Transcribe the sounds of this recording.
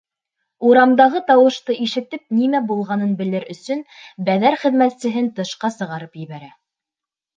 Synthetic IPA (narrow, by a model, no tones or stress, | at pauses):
uɾɑmd̪ɑʁɤt̪ɑwɤ̆ʃt̪ɤiʃɘ̆t̪ɘp̚nimæbulˠʁɑnɤnbɘ̆lɘɾɵ̆sɵnbæðæɾχɘ̆ðmæt̪sɘ̆ɦɘnt̪ɤ̆ʃqɑsɤ̆ʁɑɾɤpjɘ̆βæɾæ